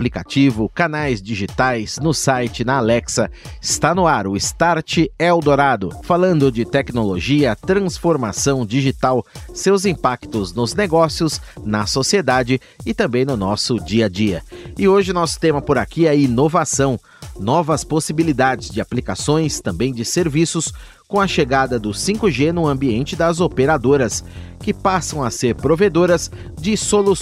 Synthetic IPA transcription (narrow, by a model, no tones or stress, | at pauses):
plikat͡ʃivʊkanajzd͡ʒiʒit̪ajznʊsajt͡ʃɪnɐalɛksɐɪst̪anʊaɾʊɪst̪aɾt͡ʃɪɛwd̪oɾad̪ʊfalɐ̃nd̪ʊd͡ʒɪt̪ɛknoloʒiɐt̪ɾɐ̃sfoɾmasɐ̃w̃d͡ʒiʒit̪awsewzĩpakt̪ʊznʊzneɡɔsiʊsnɐsosied̪ad͡ʒɪ | ɪt̪ɐ̃mbẽj̃nʊnɔsʊd͡ʒiɐd͡ʒiɐ̰ɪoʒɪʊnɔsʊ̥t̪ẽmɐpʊɾakiɛɐinovasɐ̃w̃ | nɔvɐsposibilid̪ad͡ʒɪzd͡ʒɪaplikasõj̃st̪ɐ̃mbẽj̃d͡ʒɪseɾvisʊs | kõɐʃeɡad̪ɐd̪ʊsĩkʊʒenʊɐ̃mbiẽnt͡ʃɪd̪ɐzopeɾad̪oɾɐs | kɪpasɐ̃w̃ɐseɾpɾoved̪oɾɐz | d͡ʒɪsolu